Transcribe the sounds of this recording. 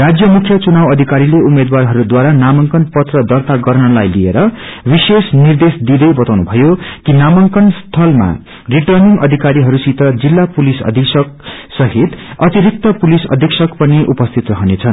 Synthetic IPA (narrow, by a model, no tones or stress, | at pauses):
rad͡zjʌmukʰjʌt͡sunawʌd̪ʱikaɾileumed̪warɦʌɾud̪waɾanamʌŋkʌnpʌt̪rʌd̪ʌrt̪aɡʌrnʌlajliḛɾʌbisesnird̪esd̪id̪ʌjbʌt̪awnubʱʌjokinamʌŋkʌnst̪ʰʌlma̰ | riʈʌrniŋɡʌd̪ʱikaɾiɦʌɾusit̪ʌd͡zilːapulisʌ̰d̪ʱiksʌk̚sʌɦit̪ʌt̪iɾik̚t̪ʌpulisʌ̰d̪ʱiksʌkpʌniʔupʌst̪ʰit̪rʌɦʌnet͡sʰʌn